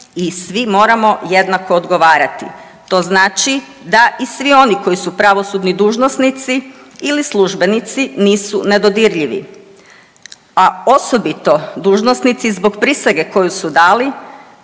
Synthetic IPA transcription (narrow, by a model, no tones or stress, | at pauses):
isʋimo̞ːɾamo̞je̞d̪nako̞ːd̪ɡo̞ʋaːɾat̪ḭ | t̪o̞znaːt͡ʃi | d̪aʔisʋio̞niko̞jisupɾaʋo̞suːd̪nid̪uːʒnosnit̪si | ilislˠuʒbe̞nit̪siniːsune̞d̪o̞d̪iɾʎiʋḭ | ao̞so̞bit̪o̞d̪uːʒnosnit̪sizbo̞ɡpɾiseɡeko̞jusud̪aːli